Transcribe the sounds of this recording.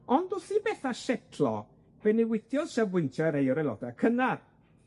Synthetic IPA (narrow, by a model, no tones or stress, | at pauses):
ɔndʊsibɛθaʃɛtʰlˠɔ̰ | bɛniwɪdʰjɔðʃavɪntʰaɾejɔɾɛlˠɔ̰dakʰənad